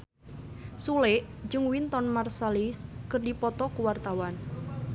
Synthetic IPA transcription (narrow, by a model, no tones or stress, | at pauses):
sulɪʔ | d͡ʒɨŋwint̪ɔnmarsaliskərdipɔt̪ɔkuwart̪awan